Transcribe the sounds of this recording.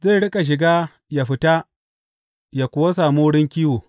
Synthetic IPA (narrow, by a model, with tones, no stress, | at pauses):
ze˦˨ɽɪ˦kʼa˨ʃ̬ɪ˨ɡaː˦ | ja˨ɸɪ˨ta˦ | ja˨kʷʊ˨wa˦s̬aː˨moː˦ɽɪ˦ŋkʲiː˦woː˨